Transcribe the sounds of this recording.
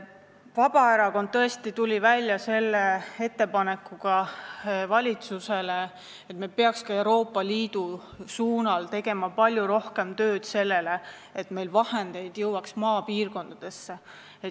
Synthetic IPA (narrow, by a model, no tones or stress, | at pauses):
vɑb̥ɑeɾɑko̞nd̪̚t̪ːɤ̞e̞st̪it̪ulʲivælʲjɑse̞lːee̞t̪ːe̞pɑne̞kːˑuɡ̥ɑ | vɑlʲit̪suse̞le | et̪ːmelpe̞ɑkskɑe̞wɾo̞ːpːˑɑliːd̪̥u | suːnɑlt̪e̞ɡe̞mɑpɑlʲjuɾo̞hke̞mt̪ø̞ːd̪̥se̞lːe̞le̞ | et̪me̞jlvɑhe̞nd̪̥e̞jd̪̥jɤwɑksmɑːpiːrko̞nd̪̥ɑd̪̥e̞sːe | e